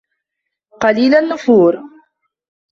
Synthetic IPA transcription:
qɑliːlanːʊfuːɾ

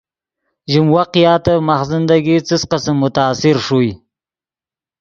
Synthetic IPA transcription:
ʒɪmwaqjɑt̪amaxzɪnd̪aɡit͡səsqəsəmːʊt̪aːsɪɾʂuj

